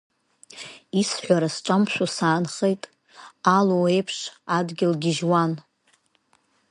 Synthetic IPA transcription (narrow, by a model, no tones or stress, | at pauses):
isħʷᶣaɾasʈ͡ʂʷʼampʃʷᶣasaːnχejtʼ | alowejpʰʂadɡʲɪlɡʲɪʒwan